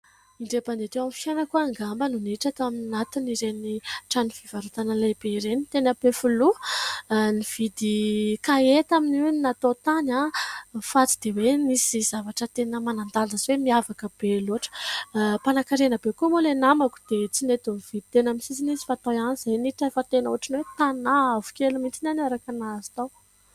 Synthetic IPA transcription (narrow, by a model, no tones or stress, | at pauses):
iɳɖ͡ʐepand̪et̪ewamfjanəkuaŋɡambənuniʈ͡ʂat̪oaminat̪iniɾeniʈ͡ʂanifivaɾut̪anəlajbeiɾenit̪enəpefulu | niv̥id̪ikaet̪amininat̪ot̪anafat͡si̥d̪̥ewenisiz̥avaʈ͡ʂət̪enəmanand̪alazwemiavakəb̥eloʈ͡ʂə̥panakaɾenəbekumulenamaku̥d̪̥et͡sinet̪onv̥id̪i̥t̪enamisizinisi̥fat̪ojanizajniʈ͡ʂaefət̪enəuaʈ͡ʂinwet̪anaavu̥kʲelumint͡sinanaɾakanazi̥t̪aw